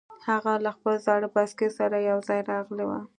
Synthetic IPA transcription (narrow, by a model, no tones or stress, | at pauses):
haɣalaxpəlzɑɽəbaskesaɾajawzɑjɾɑɣlewa̰